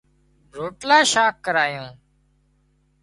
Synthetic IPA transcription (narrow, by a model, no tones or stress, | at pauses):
ɾoːʈlaːʃaːkːəɾaːjõː